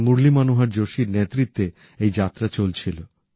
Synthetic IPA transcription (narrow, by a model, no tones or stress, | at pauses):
muɾlimanuɦaɾd͡ʑoʃiɾnet̪ːɾit̪ːe | ejd͡ʑat̪ːɾat͡ɕolt͡ɕʰilo